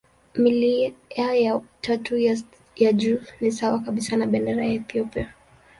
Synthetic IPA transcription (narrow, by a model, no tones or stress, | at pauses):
miliajatʰatu | jad͡ʒuːnisawakaɓisanaɓɛndɛɾajaɛθiɔpia